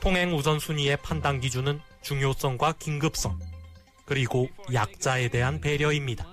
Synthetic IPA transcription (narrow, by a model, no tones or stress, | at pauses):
tʰoŋɦe̞ŋusʌnsʰuɲie̞pʰandaŋɡid͡ʑunɯn | t͡ɕuŋjos͈ʌŋɡwakiŋɡɯp̚s͈ʌŋ | kɯɾiɡojak̚t͡ɕ͈ae̞de̞ɦanpe̞ɾjʌimɲida